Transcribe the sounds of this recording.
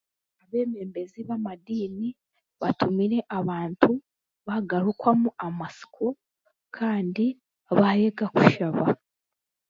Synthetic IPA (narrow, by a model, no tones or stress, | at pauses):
aβe̞ːme̞ːmbe̞ziβamadiːni | βatumiɾe̞ʔaβaːntʰu | βaɡaɾukwamuʔamasi̥kʰo | kʰaːndi | βajeɡakuʃaβa